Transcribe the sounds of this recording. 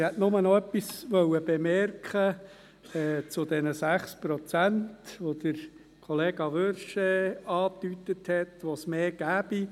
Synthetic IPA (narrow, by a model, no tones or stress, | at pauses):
hɛtnʊmənɔœpːisʋœwəb̥ɛmɛrkχə | ɛːt͡sʊd̪ɛnəsæχspɾɔt͡sæntʋod̥̪əɾ | kʰɔleːɡ̥ɑʋøɾʃɛɑːt̪ytːəthɛtʋosmeːɡ̥æːb̥i